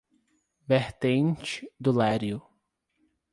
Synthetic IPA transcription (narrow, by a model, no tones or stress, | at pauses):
veɾt̪ẽnt͡ʃɪ̥d̪ʊlaɾjʊ